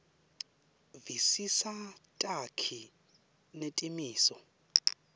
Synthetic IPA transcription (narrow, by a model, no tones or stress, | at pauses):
visisatʼakʰi | netʼimiːsɔ